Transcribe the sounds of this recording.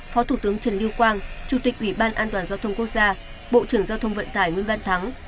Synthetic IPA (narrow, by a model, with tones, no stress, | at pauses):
fɔ˨˦t̪ʰu˧˩t̪ɨ˨˦əŋt͡ɕə˨˧˩nli˧wkwaː˧nt͡ɕu˧˩t̪ï˨˩k̟̚ʔwi˧˩ɓaː˧nʔaː˧nt̪waː˨˩nzaː˧t̪ʰwŋ͡mku˦˥ək̚zaː˧ | ɓo̰˧˨t͡ɕɨ˧˩əŋzaː˧wt̪ʰə˧wŋ͡mvə̰˧˨nt̪aː˧˩jŋwi˧ənɓa˧nt̪ʰa˨˦ŋ